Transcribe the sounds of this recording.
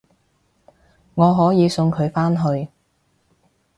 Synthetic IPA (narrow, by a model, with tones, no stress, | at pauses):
ŋɔː˨˧ɦɔː˨˥jiː˨˧sɵ˧ŋkʰɵ˨˧ɥfaː˥nɦɵ˧ɥ